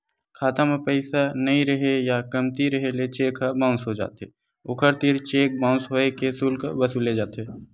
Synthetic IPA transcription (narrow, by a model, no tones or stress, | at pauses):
kʰaːt̪amẽpɛɪsanɐɦĩɾəɦejakəmt̪iɾəɦelet͡ʃeːkʰabãːʊ̃sɦod͡ʒa̰ːt̪ɦe | ʊkʰəɾt̪iɾt͡ʃeːk̚bãːʊ̃sɦoːekesulkəbəsuled͡ʒaːt̪eː